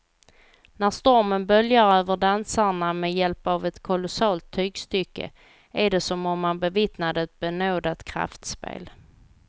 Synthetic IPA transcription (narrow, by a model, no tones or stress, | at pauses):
næɾʂt̪ɔɾmənbœljaɾøːvəɖansaɳamɛjɛlpavɛt̪kʰʊlʊsɑːlt̪ʰːyːɡst̪ʏkːə̰ | æɖɛsɔmɔmːanbɛvɪt̪nad̪əɛt̪̚bɛnoːd̪at̪kʰɾa̰ft̪spḛːl